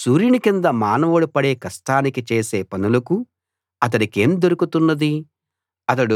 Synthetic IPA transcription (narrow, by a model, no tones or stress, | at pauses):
suːɾjinikind̪ɐmaːnɐʋɐɽupɐɽeːkɐsʈaːnikit͡ʃe̞ːse̞ːpɐnulɐku | ɐt̪̬ɐnike̞ːmd̪oɾukut̪unːɐd̪i | ɐt̪̬ɐɽu